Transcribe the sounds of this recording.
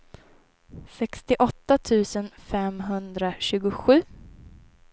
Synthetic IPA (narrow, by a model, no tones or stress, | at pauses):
sɛkst̪ɪʔɔt̪ːat̪ʰʉ̟ːsənfɛmɦɵnd̪ɾaɕʉ̟ːɡʊɧʉ̟ː